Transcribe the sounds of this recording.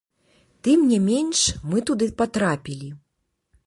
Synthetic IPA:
t̪ɨmnʲɛmʲenʂmɨt̪ud̪ɨpat̪ɾapʲilʲi

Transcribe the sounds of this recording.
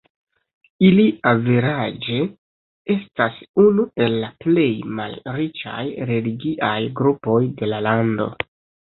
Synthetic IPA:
iliʔaveɾad͡ʒe̞ | e̞stasunue̞lːaple̞jma̰lɾit͡ʃa̰jɾe̞liɡiʔajɡɾupo̞jde̞lalando̞̰

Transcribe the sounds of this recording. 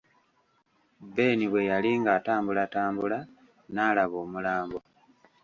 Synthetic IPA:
be̞ːniβwe̞jaliŋɡaːtaːmbulataːmbula | naːlaβo̞ːmulaːmbo̞

